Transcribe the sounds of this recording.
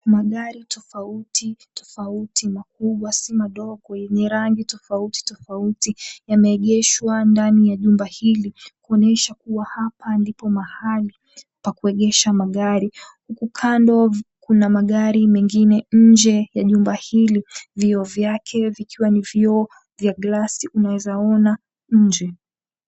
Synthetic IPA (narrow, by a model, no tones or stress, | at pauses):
maɠaɾitʰɔfautʰitɔ̥fautʰimak̚uɓwasimaɗɔɠɔjɛɲɛɾaŋɡitɔfauti̥tɔfautijamɛːɠɛʃwandanijaʄumbahilikuɔnɛʃakuwahapʰandipɔmahali | pakuɛɠɛʃamaɠaɾihukukʰandɔkunamaɠaɾimɛŋɡinɛɲ̩d͡ʒɛjaʄumbahiliviɔvjakʰɛvikʰiwanivjɔɔ | vjaɡlasiʔunawɛzaɔna | ɲ̩d͡ʒɛ